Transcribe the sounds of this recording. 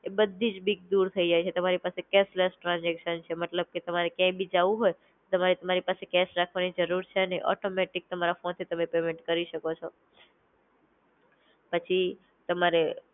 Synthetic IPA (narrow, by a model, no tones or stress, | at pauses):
ebəd̪ʱːid͡ʒbiɡ̚d̪uɾt̪ʰəid͡ʒajt͡ʃʰet̪əmaɾipasekɛsləsʈɾãnd͡ʒɛkʃənt͡ʃʰemət̪ləb̚ket̪əmaɾekjãbʱid͡ʒaʋũɦoj | t̪əmaɾet̪əmaɾipasekɛsɾakʰʋanid͡ʒəɾuɾt͡ʃʰeəneʔɔ̰ʈomɛʈik̚t̪əmaɾafont̪ʰit̪əmepemẽɳʈkəɾiʃəkot͡ʃʰo | pət͡ʃʰi | t̪əmaɾe